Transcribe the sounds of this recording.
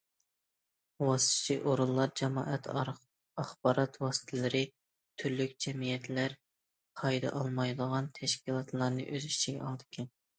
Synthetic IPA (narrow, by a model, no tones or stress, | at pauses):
wɑsɨ̥t̪ʰt͡ʃʰiʔoɾulˠːɑɾd͡ʒɛmɑːʔɛt̪ | ɑχbɑɾɑt̪wɑsɨ̥t̪ʰɛlɨɾɪ | t̪ʰyɾlykʲd͡ʒɛmijɛt̪læɾ | qʰɑjd̪ɑ̰ʔɑlˠmɑjd̪əʁɑnt̪ʰɛʃkʲilˠɑt̪lˠɑɾnɨ̰ʔøzit͡ʃiɡʲɛ̰ɑlˠd̪ɨ̥kʲʰɛn